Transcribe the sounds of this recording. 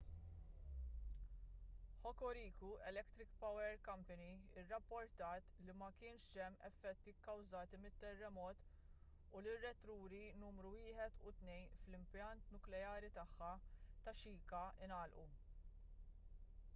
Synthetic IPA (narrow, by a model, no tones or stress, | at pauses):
ħɔkːɔɾiːkuɛlɛkt̪ɾɪkpɐwɛɾkɐmpɐniɪrːɐpːɔɾt̪ɐːt̪limɐkɪːnʃɛmːɛ̰fːɛt̪ːikːɐwzɐːt̪imɪt̪ːɛrːɛmɔːt̪ | ʊlɪrːɛt̪ɾuːɾinuːmɾuwɪːħɛt̪ʰʊt̪nɛjnflɪmpjɐnt̪nʊklɛjɐːɾit̪ɐħːɐt̪ɐʃiːkɐɪnɐːlʔṵ